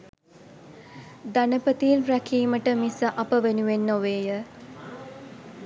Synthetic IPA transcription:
d̪anəpət̪iːnɾækʰiːməʈəmisəʔɐpəʋenuʋenːoʋeːjə

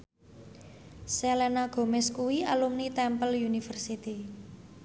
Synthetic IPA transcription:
sɛlɛnaɡ̥o̤mɛskuwialumnit̪ɛmpəljunifərsit̪i

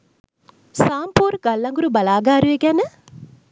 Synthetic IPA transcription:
saːmpuːɾɡɐlːɐŋɡuɾubɐlaːɡaːɾuʋeɡænə

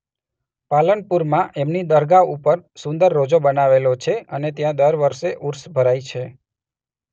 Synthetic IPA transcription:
palənpuɾmãʔemnid̪əɾɡaupəɾsʊ̃nd̪əɾːod͡ʒobənaʋelot͡ʃʰeənet̪jãd̪əɾʋəɾʃeʔuɾsbʱəɾajt͡ʃʰe

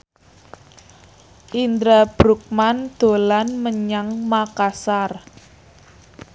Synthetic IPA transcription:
ʔind̪ɾab̥ɾuk̚mand̪̥o̤lanməɲaŋmakasar

